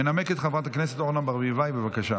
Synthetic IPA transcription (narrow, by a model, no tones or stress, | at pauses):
enameket̪χavʁat̪aknɛset̪oʁnambaʁvivajbevakaʃa